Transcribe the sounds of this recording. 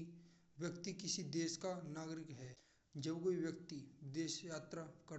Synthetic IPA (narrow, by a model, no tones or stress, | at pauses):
ʋjɐkt̪ikɪsid̪eːʃkanaːɡɾɪkɦɛː | d͡ʒɐbkoiʋjɐk̚t̪id̪eːʃjaːt̪ɾakɐ